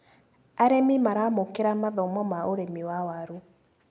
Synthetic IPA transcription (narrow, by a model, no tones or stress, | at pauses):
aɾemimaɾamokeɾamaðɔmɔmaʔoɾemiwawaɾu